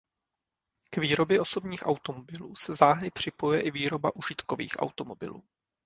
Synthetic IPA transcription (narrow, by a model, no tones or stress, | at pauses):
kviːɾo̞bjɛʔo̞so̞bɲiːxʔawt̪o̞mobɪluːsɛzaːɦɾɪpr̝̥ɪpo̞jujɛʔɪviːɾo̞ba̰ʔuʒɪt̪kovḭːxʔa̰wt̪o̞mo̞bɪ̰lṵː